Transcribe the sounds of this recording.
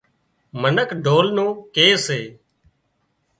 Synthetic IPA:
mənəkɖʱoːlnõːkeːseː

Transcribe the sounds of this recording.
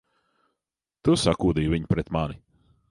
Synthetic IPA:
t̪usakuːd̪iːviɲpɾɛt̪mani

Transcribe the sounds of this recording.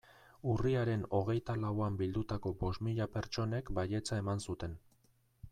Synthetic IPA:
uriaɾe̞no̞ɣ̞e̞jt̪alawambild̪ut̪ako̞bo̞st̪miʎape̞ɾt͡ʃo̞ne̞kbaʎe̞t͡sae̞mansut̪e̞n

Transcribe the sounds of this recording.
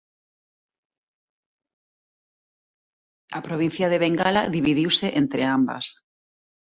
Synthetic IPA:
apɾoβin̟θjaðeβeŋɡalaðiβiðiwseʔent̪ɾeamba̰s

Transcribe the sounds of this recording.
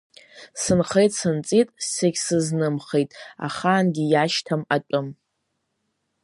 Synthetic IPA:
sɨnχejtʼsɨnt͡sʼitʼːeɡʲsɨznɨmχe̞jtʼa̰χaːnɡʲijaʃtʰamaʈ͡ʂʷʼʊm

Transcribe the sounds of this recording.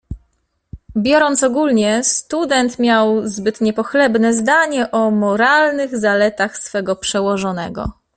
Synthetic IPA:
bʲjɔɾɔnt̪sɔɡulɲɛst̪ud̪ɛnt̪mʲjawzbɘt̪ɲɛpɔxlɛbnɛzd̪aɲɛʔɔmɔɾalnɘɣzalɛt̪axsfɛɡɔpʂɛwɔʐɔnɛ̰ɡɔ̰

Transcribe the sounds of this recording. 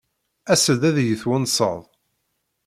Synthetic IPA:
æsəðæðjəθwənsˤə̰ðˤ

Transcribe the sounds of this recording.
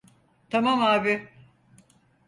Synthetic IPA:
t̪ʰamamaːbɪ

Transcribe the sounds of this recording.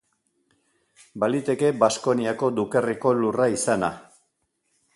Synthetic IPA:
balit̪e̞ke̞basko̞niako̞d̪ukeriko̞luraisana̰

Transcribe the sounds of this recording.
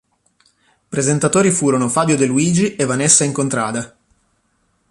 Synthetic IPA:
pɾezent̪at̪oːɾifuːɾonofaːbjod̪eluiːd͡ʒiʔevanesːaiŋkont̪ɾa̰ːd̪a

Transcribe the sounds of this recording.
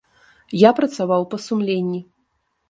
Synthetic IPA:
japɾɐt̪savawpɐsumlʲenʲːi

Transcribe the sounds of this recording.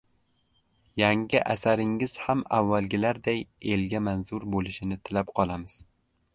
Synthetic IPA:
jaŋɪʔa̰saɾɪŋːɪz̥hamavːalˠɡʲɪlaɾd̪aje̞lɡʲamanzʊɾbolˠɪʃɪnɪt̪ʰɪlap̚qʰɒlˠamɪz̥

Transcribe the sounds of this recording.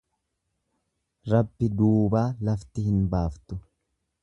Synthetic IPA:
ɾɐbːɪd̪uːbaːlɐft̪ɪhɪnbaːft̪ʊ

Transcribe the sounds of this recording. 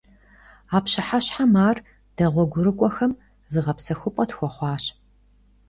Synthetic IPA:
aːpɕɪħaɕħamaːr | d̥ɐʁʷɔɡʷʊɾɨkʷʼɔxɐm | zɨʁɐpsɐxʷʊpʼɐtxʷɔχʷɑːɕ

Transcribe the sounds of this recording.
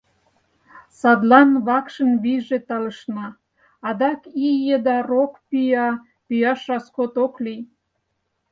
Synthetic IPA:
sɑd̪lɑnβɑkʃənβiʒet̪ɑləʃnɑː | d̪ɑkijed̪ɑrokpyjɑ | pyjɑʃɑskot̪oklij

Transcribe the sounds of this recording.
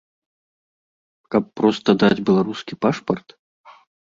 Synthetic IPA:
kɐpːɾɔst̪ɐd̪ad͡zʲbʲɛlˠaɾuskʲipaʂpərt̪

